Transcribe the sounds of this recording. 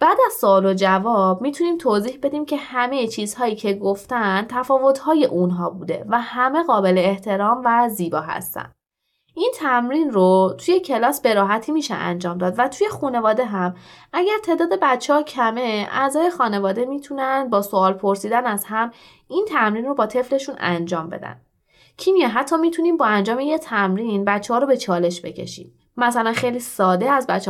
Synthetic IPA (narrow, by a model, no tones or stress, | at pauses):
b̥æːd̪æz̥soɒːlod͡ʒævɒb̚miːt̪ʰuniːmt̪ʰoziːhbe̞d̪iːmcʰe̞hæme̞jet͡ʃʰiːzhɒːiːcʰe̞ɡoft̪ænt̪ʰæfɒːvo̞t̪hɒːje̞ʔunɦɒːbuːd̪e̞̰væhæme̞ɣɒːbe̞le̞ːht̪ʰe̞ɾɒːmvæziːbɒːɦæ̰st̪æ̰nd̪ | int̪ʰæmɾinrot̪ʰuje̞cʰe̞lɒːsbe̞ɾɒːɦæt̪ʰiːmiːʃḛʔæ̰nd͡ʒɒːmd̪ɒːd̪væt̪ʰuje̞xune̞vɒːd̪e̞ɦæmæɟæɾt̪ʰe̞ːd̪ɒːd̪e̞bætt͡ʃʰːehɒːcʰæme̞æ̰zɒːje̞xɒːne̞vɒːd̪e̞miːt̪ʰunænd̪̚bɒːsoɒːlpʰoɾsiːd̪ænæz̥hæm | int̪ʰæmɾiːnro̞bɒːt̪ʰe̞fle̞ʃunæ̰nd͡ʒɒːmbe̞̰d̪æ̰n | cʰimijɛɦæt̪ʰːɒːmiːt̪ʰuniːmbɒːænd͡ʒɒːmejet̪ʰæmɾinbæt̪t͡ʃʰːeɒːɾo̞be̞t͡ʃʰɒːle̞ʃbe̞̰cʰe̞̰ʃḭːm | mæsælænxejlisɒːd̪e̞æzbætt͡ʃː